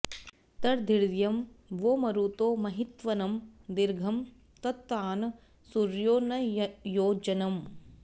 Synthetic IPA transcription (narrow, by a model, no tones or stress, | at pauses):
t̪ɐɾd̪ʱiɾʋjɐmʋoːmɐɾut̪oːmɐɦit̪ʋɐnɐmd̪iɾɡʱɐm | t̪ɐt̪ːaːnɐ | suɾjoːnɐjoːd͡ʒɐnɐm